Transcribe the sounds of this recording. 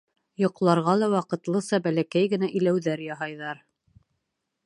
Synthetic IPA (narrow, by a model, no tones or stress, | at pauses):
jŏqlˠɑɾʁɑlˠɑwɑqɤ̆t̪lˠɤsɑbælækæjɡɘ̆næʔɘ̆jlæwðæɾjɑɦɑjðɑɾ